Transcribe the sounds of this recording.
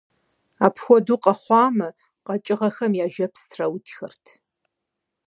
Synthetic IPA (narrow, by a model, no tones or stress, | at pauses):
aːpʰxʷɔduqʼɐχʷɑːmɨ | qɐt͡ʃʼɪʁɐxɐmjaːʒɐpʰstʰrɐwʊtʰxɐrtʰ